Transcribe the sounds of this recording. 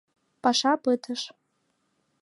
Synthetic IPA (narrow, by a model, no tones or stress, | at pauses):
pʼaʂapʼɨtʰɨʂ